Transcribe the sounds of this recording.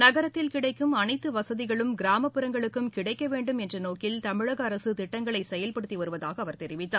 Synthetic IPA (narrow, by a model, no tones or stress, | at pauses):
nɐɣɐɾɐt̪ːɪlkɪɽɐɪkːɯmɐnɐɪt̪ːɯʋɐsɐðɪɣɐɭɯmɡɪɾaːmɐpːɯɾɐŋɡɐɭɯkːɯmkɪɽɐɪkːɐʋeːɳɖɯmɛndrɐnoːkɪlt̪ɐmɪɻɐɣɐːɾɐsɯt̪ɪʈːɐŋɡɐɭɐɪsɛjɐlpɐɽɯt̪ːiʋɐɾɯʋɐðaːɣɐːʋɐɾt̪ɛɾɪʋɪt̪ːaː